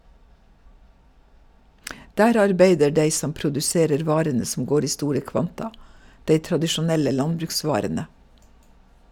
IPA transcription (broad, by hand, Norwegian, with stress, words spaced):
ˈdæːɾ ˈɑɾbeɪdə ˈɖeɪ ˈsɔm pɾʊdʉˈseːɾəɾ ˈʋɑːɾənə sm̩ ˈɡoːɾ ˈiː ˈstuːɾə ˈkʋɑntɑ ˈdeɪ tɾɑdɪʃʊˈnɛlə ˈlɑnbɾʉkˌsʋɑːɾənə